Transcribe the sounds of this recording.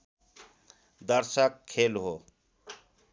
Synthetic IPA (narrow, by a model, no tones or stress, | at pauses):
d̪əɾsəkʰːelɦo